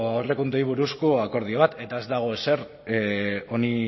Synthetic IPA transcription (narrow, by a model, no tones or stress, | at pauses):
awre̞kund̪ojβ̞uɾuskoako̞ɾð̞ioβ̞at̪e̞t̪ae̞zd̪aɣ̞o̞ese̞r | o̞ni